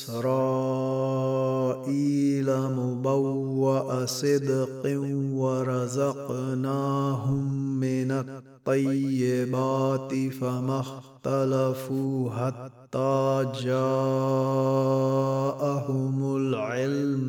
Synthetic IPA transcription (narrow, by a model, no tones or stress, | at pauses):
sɾaː | ʔiːlamʊbawːaʔasɪd̪qɪwaɾˤɑzɑqnaːɦʊmːɪnat̪ˤːɑjːɪbaːt̪ɪfamaxt̪alafuːɦat̪ːaːd͡ʒaː | ʔahʊmʊlʕɪlm